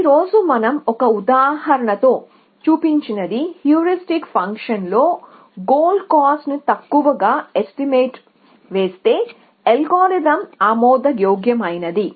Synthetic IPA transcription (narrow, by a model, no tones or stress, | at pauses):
iɾo̞ːd͡ʒumɐnɐmɔkɐud̪aːɦɐɾɐɳɐt̪o̞ː | t͡ʃuːpiɲt͡ʃinɐd̪ihjuːɾisʈikpʰɐŋkʂɐnlo̞ː | ɡoːlɖkaːsnut̪ɐkːuʋɐɡaːesʈimeːʈ | ʋe̞ːst̪e̞ː | elɡoːɾid̪ɐmaːmɔːd̪ɐjoːɡjɐmɐjnɐd̪i